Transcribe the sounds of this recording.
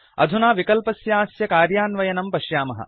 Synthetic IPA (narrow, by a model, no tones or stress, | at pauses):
ɐ̰d̪ʱunaːʋikɐlpɐsjaːsjɐkaːɾjaːnʋɐjɐnɐmpɐʃjaːmɐɦɐ̰